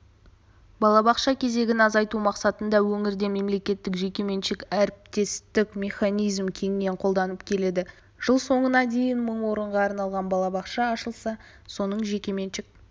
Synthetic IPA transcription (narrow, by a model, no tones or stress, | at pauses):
bɑlˠɑbɑqʃɑkʲʰe̞ze̞ɡʲɪnɑzɑjt̪umɑqsɑt̪ənd̪ɑwɵŋɪɾd̪e̞me̞mle̞kʲe̞t̪ːɪkʒe̞kʲe̞me̞nʃɪkæɾɪp̚t̪e̞st̪ɪkmʲe̞χɑnijzmkʲʰe̞ŋɪne̞ɴqʰo̞lˠd̪ɑnəpkʲʰe̞le̞d̪ɪ | ʒ̥əlˠso̞ɴənɑd̪e̞jɪnməɴwo̞ɾəɴʁɑːɾnɑlˠʁɑnbɑlˠɑbɑqʃɑːʃəlˠsɑ | so̞nəɴʒe̞kʲe̞me̞nʃɪk̚